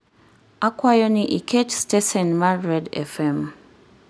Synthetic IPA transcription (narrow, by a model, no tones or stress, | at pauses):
akwajɔnɪ̃ʔikʰetstɛsɛnmaɹɛdɛ̰fɛm